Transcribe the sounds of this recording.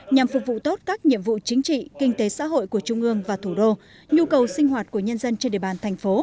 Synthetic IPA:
ɲa˨˩mfʊ˨˩k̚vṵ˧˨t̪o˦˥t̚kaː˦˥k̚ɲḭ˧˨əmvṵ˧˨t͡ɕï˨˦ŋ̟t͡ɕḭ˧˨kï˧ŋ̟t̪e˨˦sa̰ː˧˥ɦo̰˧˨jku˧˩ət͡ɕʊ˧ŋ͡mʔɨ˧əŋvaː˨˩t̪ʰu˧˩ɗo˧ | ɲu˧kə˨˩wsï˧ŋ̟ɦwaː˨˩t̚ku˧˩əɲə˧nzə˧nt͡ɕe˧nɗḛ˧˩˨ɓaː˨˩nt̪ʰɛ˨˩jŋ̟fo˨˦

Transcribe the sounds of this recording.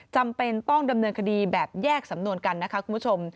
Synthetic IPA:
t͡ɕa˧mpe˧nt̪ɔ˥˩ŋda˧mnɤː˧nkʰa˧diː˧bɛː˨˩p̚jɛː˥˩k̚sa˨˩˦mnu˧ənka˧nːa˦˥kʰa˦˥kʰu˧npʰu˥t͡ɕʰo˧m

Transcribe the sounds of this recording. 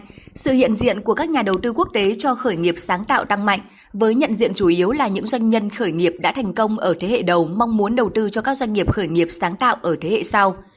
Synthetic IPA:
sɨ̰˧˨hḭ˧˨ənzḭ˧˨ənku˧˩əkaː˦˥k̚ɲaː˨˩ɗə˨˩wt̪ɨ˧ku˦˥ək̚t̪e˨˦t͡ɕɔ˧xəː˧˩jŋi˨˩əp̚saː˨˦ŋt̪a̰ː˧˨wt̪a˧ŋma̰˧˨jŋ̟ | vəː˨˦jɲə̰˧˨nzḭ˧˨ənt͡ɕu˧˩ʔi˨˦əwlaː˨˩ɲɨ̰˧˥ŋzwa˧jŋ̟ɲə˧nxəː˧˩jŋi˨˩əp̚ɗa̰ː˧˥t̪ʰɛ˨˩jŋ̟kə˧wŋ͡mʔəː˧˩t̪ʰe˨˦hḛ˧˨ɗə˨˩wma˧wŋ͡mmu˨˦nɗə˨˩wt̪ɨ˧t͡ɕɔ˧kaː˦˥k̚zwa˧jŋ̟ŋi˨˩əp̚xəː˧˩jŋi˨˩əp̚saː˨˦ŋt̪a̰ː˧˨wʔəː˧˩t̪ʰe˨˦hḛ˧˨sa˧w

